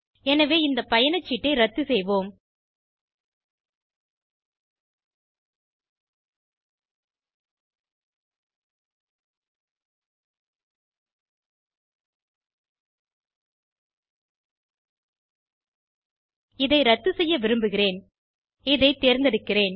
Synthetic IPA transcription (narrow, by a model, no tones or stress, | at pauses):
ɛnɐʋeːɪnd̪ɐpɐjɐnɐt͡ʃːiʈːɐɪɾɐt̪ːɯsɛjʋoːm | ɪðɐɪɾɐt̪ːɯsɛjːɐʋɪɾɯmbɯɣɪɾeːn | ɪðɐɪt̪ːeːɾnd̪ɛɽɯkːɪɾeːn